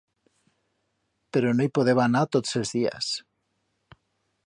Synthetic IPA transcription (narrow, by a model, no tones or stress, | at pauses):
peɾonojpoðeβanat̪ot̪sezðia̰s